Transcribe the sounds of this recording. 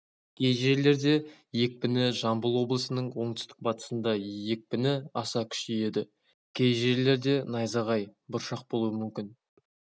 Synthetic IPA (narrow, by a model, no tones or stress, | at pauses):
kʲʰe̞jʒe̞ɾle̞ɾd̪e̞je̞k̚ʲpɪnɪʒɑmbəlˠwo̞blˠəsənəɴwo̞ɴd̪ʏ̥st̪ɪ̥k̚bɑt̪ə̥sənd̪ɑje̞k̚pɪnɪɑsɑkʲʰʏ̥ʃeje̞d̪ɪ | kʲʰe̞jʒe̞ɾle̞ɾd̪e̞nɑjzɑʁɑjbʊɾʃɑq̚bo̞lˠuəmʏmkʲɪn